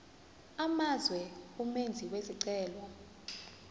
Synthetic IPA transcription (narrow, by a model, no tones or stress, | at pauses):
amazwɛumend͡zʱikwesiǀɛːlwɔ